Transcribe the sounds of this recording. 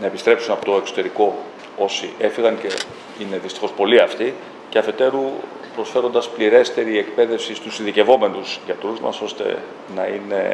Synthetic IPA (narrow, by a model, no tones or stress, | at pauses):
nɐepist̪ɾe̞psunɐpo̞t̪oe̞kso̞t̪e̞ɾiko̞ | o̞sie̞fiɣɐnce̞̰ | ine̞ðist̪i̥xo̞spo̞liɐft̪i | ce̞ɐfe̞t̪e̞ɾu | pɾo̞sfe̞ɾo̞nd̪ɐspliɾe̞st̪e̞ɾie̞kpe̞ðe̞fsist̪usinðice̞vo̞me̞nuzʝɐt̪ɾuzmɐ̰so̞st̪e̞̰ | nɐine̞̰